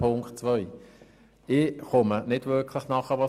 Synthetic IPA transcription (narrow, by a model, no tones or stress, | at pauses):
pʰʊŋktt͡svœɪ | ɪχʊmənɪdvʏkʰlɪχnɑχəʋɑ